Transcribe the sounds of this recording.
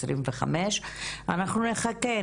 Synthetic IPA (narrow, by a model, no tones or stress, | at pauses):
sɾimveχa̰meʃanaχnuneχake